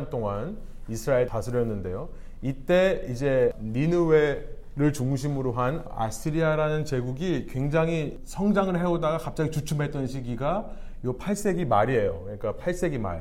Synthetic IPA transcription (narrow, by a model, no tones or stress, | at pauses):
nt͈oŋan | isʰɯɾaeɭtasʰɯɾjʌnːɯnde̞jo | it͈e̞id͡ʑe̞ninɯwe | ɾɯɭt͡ɕuŋɕ̬ʰimɯɾoɦana̰sʰiɾiaɾanɯnt͡ɕe̞ɡuɡikwe̞ŋd͡ʑaŋɦi | sʰʌŋd͡ʑaŋɯɭɦe̞odaɡakap̚t͡ɕ͈aɡit͡ɕut͡ɕʰumɦe̞t̚t͈ʌnɕʰiɡiɡa | jopʰaɭs͈e̞ɡimaɾie̞jokɯɲik͈apʰaɭs͈e̞ɡima̰ɾe